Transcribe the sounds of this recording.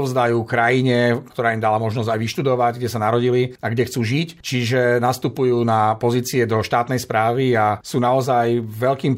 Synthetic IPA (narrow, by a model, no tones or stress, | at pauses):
vzd̪ajuːkɾajiɲɛkt̪ɔɾaːimd̪alamɔʒnɔzɟajʋiʃt̪ud̪ɔʋaɟɡɟɛsanaɾɔɟiliaɡɟɛxt͡suːʒict͡ʃiʒɛnast̪upujuːnapɔziːt͡siɛd̪ɔʃt̪aːt̪nɛjspɾaːʋiasuːnaɔzajʋɛʎkiːm